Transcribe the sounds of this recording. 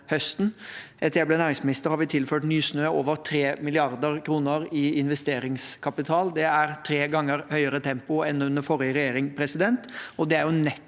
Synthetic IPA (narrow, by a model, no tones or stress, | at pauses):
hœst̪n̩ | ɛt̪əjæɪblenæːɾɪŋsmɪnɪst̪əɾhɑɾʋɪt̪ʰɪlføːʈnyːsnøːoːʋəɾt̪ʰɾeːmɪlɪɑɾd̪əɾkʰɾuːnəɾɪɪnʋɛst̪eːɾɪŋskʰɑpɪt̪ʰɑːld̪ɛæɾt̪ʰɾeːɡɑŋːəɾhœʏəɾət̪ʰɛmpʊɛnʉnd̪əɾfɔɾjəɾɛjeːɾɪŋpʰɾɛsɪd̪ɛnt̪ɔd̪ɛæɾjʊnɛt̪ː